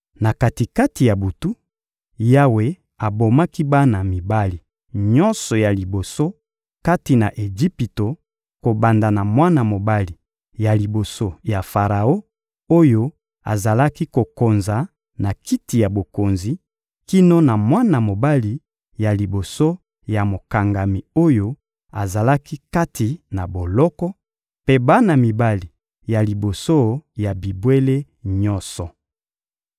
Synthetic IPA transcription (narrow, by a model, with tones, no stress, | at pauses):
na˨ka˨ti˨ka˦ti˨ja˨bu˨tu˦ | ja˦we˨ | a˨bo˨ma˦ki˦ba˦na˨mi˨ba˦li˨ | ɲɔ˦nsɔ˨ja˨li˨bo˨so˦ | ka˦ti˨na˨ʔe˨ʒi˦pi˨to˨ | ko˨ba˨nda˨na˨mwa˦na˨mo˨ba˦li˨ | ja˨li˨bo˨so˦ja˨fa˨ʁa˨o˦ | o˦jo˦ | a̰˨za˨la˦ki˦ko˨ko˨nza˨ | na˨ki˦ti˨ja˨bo˨ko˨nzi˨ | ki˦no˦na˨mwa˦na˨mo˨ba˦li˨ | ja˨li˨bo˨so˦ | ja˨mo˨ka˨ŋɡa˨mi˨o˦jo˦ | a̰˨za˨la˦ki˦ka˦tʰi˨na˨bo˨lɔ˦kɔ˦ | pe˦ba˦na˨mi˨ba˦li˨ | ja˨li˨bo˨so˦ja˨bi˨bwe˦le˦ | ɲɔ̃˦nsɔ˨